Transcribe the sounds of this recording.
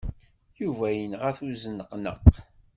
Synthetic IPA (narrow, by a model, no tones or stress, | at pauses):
juvæjənʁəθuzənəqnə̰q